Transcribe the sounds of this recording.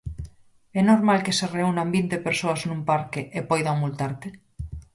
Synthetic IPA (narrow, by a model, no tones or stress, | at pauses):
ɛnoɾmalkesereunambint̪epeɾsoaznũmpaɾkeʔepɔjðamult̪aɾt̪e